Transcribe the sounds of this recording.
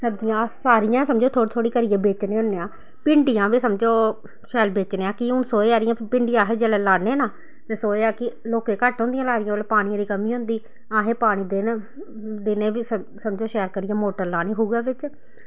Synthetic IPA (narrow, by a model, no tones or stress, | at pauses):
səbd͡ʒɪjãːsaːɾɪjãːsəmd͡ʒoːt̪ʰoːɽt̪ʰoːɽiːkəɾɪjãːbeːt͡ʃneːʊnːeːãː | pɪɳɖɪjãːʋiːsəmd͡ʒoː | ʃɛːlbeːt͡ʃneːãːkɪʊnsoːeːaːɾɪjãːpɪɳɖɪjãːɦeːd͡ʒɛːlɛːlaːneːnaː | t̪eːsoːeːaːkɪloːkeːkəʈɦõːnd̪ɪijãːlaːɾɪjaːlpaːɽiãːd̪iːkəmiːɦʊ̃ːnd̪iː | aːɦẽːpaːɽ̃iːd̪en | d̪ɪnẽːis | səmd͡ʒoːʃɛːɾkəɾɪjãːmoːʈəɾlaːniːɦoːɡaːʋɪt͡ʃ